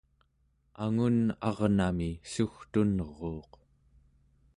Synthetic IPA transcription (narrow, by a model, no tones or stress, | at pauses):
aŋunɑʁnamisuxt̪unʁoːq